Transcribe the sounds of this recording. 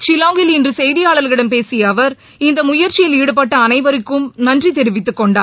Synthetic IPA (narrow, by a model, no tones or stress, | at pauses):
t͡ʃɪlaːŋɡɪlɪndrɯsɛjðɪjaːɭɐlɣɪɽɐmpeːsɪjɐʋɐɾ | ɪnd̪ɐmʊjɐɾt͡ʃːɪjɪliːɽɯp̬ɐʈːɐːnɐɪʋɐɾɪkːɯmnɐndrit̪ɛɾɪʋɪt̪ːɯkːɔɳɖaːɾ